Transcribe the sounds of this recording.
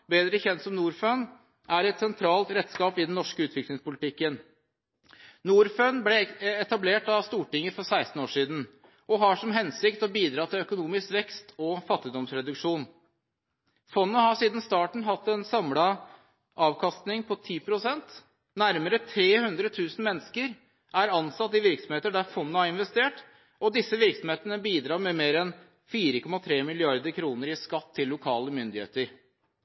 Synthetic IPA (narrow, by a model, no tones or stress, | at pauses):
beːd̪ɾəçɛnt̪sɔmnuːɾføn | ʔæɾɛt̪sɛnt̪ʰɾɑːlt̪ɾɛt̪ːskɑːpɪd̪ɛnːɔʂkəʉːt̪ʰʋɪklɪŋspʊlt̪ɪkːən | nuːɾføːnblɛɛt̪ɑbleːʈɑʋst̪uːʈɪŋːəfɔɾsæɪst̪n̩oːʂiːd̪n̩ | ʔɔɦɑʂɔmɦɛnsɪkt̪ɔbiːd̪ɾɑːt̪ʰɪlœkʊnuːmɪskʋɛkst̪ʰɔfɑt̪ːɪd̪ɔmsɾɛd̪ʉkʂuːn | fɔnːəhɑʂiːd̪n̩st̪ɑːʈɳ̩ɦɑt̪ːɛnsɑmlɑ | ʔɑːʋkʰɑst̪nɪŋpʰɔt̪ʰiːpʰɾʊsɛnt̪ | næɾməɾət̪ʰɾeːhʉnd̪ɾət̪ʰʉːsn̩mɛnːskəɾ | ʔæɾɑnsɑt̪ːɪʋɪɾksɔmheːt̪əɖæɾfɔnːəhɑɾɪnʋɛst̪eːʈ | ɔd̪ɪsːəʋɪɾksɔmheːt̪ənəbiːd̪ɾɑːmɛmeːɾɛn | fiːɾəkʰɔmɑt̪ʰɾeːmɪlɪɑɾd̪əkʰɾuːnəɾɪskɑt̪ʰːɪlːʊkʰɑːləmʏnd̪ɪhḛːt̪əɾ